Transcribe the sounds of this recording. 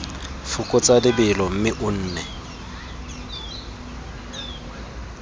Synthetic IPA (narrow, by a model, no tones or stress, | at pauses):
fʊkʼʊt͡sʼadɪbɪlɔm̩mɪʔʊn̩ːnɛ